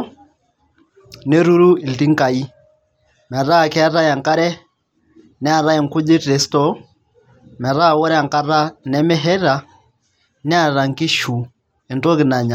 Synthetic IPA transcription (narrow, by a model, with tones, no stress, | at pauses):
ne˦ɾu˦ɾu˦i˨lti˦ŋ˦ka˨i˦ | mɛ˨ɾa˦˨kɛ˦a˦ɾa˦ja˨ŋka˦ɾɛ˦ | nɛ˦a˨ɾa˦ɛ˨ŋ˨kʊ˦d͡ʒe˦te˨stɔ˨˦ | mɛ˨ɾa˦˨wɔ˦ɾɛ˦a˨ŋka˦ɾa˦nɛ˨mɛ˦ɦɛ˦ɾa˨ | nɛ˦a˨ɾa˨ŋkɪ˦ʃu˨ | ɛ˨nto˦kɪ˨na˨ɲa˨